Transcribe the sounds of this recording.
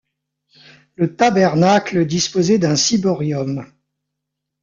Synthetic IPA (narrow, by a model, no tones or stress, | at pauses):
lət̪abɛʁnakləd̪ispozɛd̪ɛ̃sibɔʁjɔm